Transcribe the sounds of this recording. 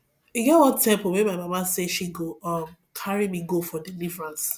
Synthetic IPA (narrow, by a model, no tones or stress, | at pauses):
iɡɛtwɔ̃tɛ̃mpomemaɪmamaseʃiɡoɔm | kʰaɹimiɡofɔdilivɹãns